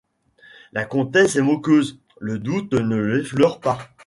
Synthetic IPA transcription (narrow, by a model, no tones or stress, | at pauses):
lakɔ̃t̪ɛsɛmɔkʲøz | ləd̪ut̪nəlɛflœʁpa